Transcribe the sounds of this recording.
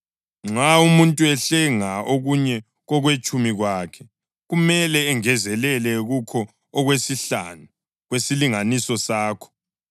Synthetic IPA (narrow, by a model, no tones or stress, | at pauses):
ŋ͡ǁaumuntʼuɛɬɛŋaoɣuɲɛ | ɣɔɣwet͡ʃʼumiɣwaːkʰɛ̥ | ɣumɛlɛːŋɛzɛlɛlɛɣukʰɔː | ɣwesiɬa̰nu | ɣwesiliŋanisɔsaːkʰɔ̥